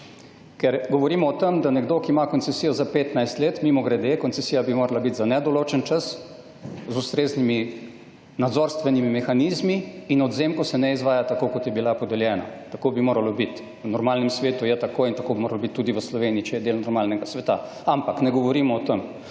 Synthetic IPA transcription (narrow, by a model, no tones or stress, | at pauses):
kɛɾɡɔʋɔɾiːmɔːt̪əmd̪anɛɡd̪oːkiːmakont̪sɛsiːjɔzapeːt̪najst̪leːt̪mimɔɡɾɛd̪ekɔnt̪sɛsijabimoːɾalabit̪zanɛd̪ɔloːt͡ʃənt͡ʃəs | zust̪ɾeːznimi | nad̪zoɾst̪ʋɛnimimɛxaniːzmiːnɔd̪zeːmkɔsɛnɛizʋaːjat̪akoːkɔt̪jɛbilapɔd̪ɛljɛːna̰t̪akoːbimoːɾalɔbit̪ | ʋənɔɾmaːlnɛmsʋeːt̪ujɛt̪akoːint̪akoːbimoːɾalobit̪ːuːd̪iʋəslɔʋeːniit͡ʃɛjɛd̪elnɔɾmaːlnɛɡasʋɛt̪a̰ | ampaknɛɡɔʋɔɾiːmɔːt̪əm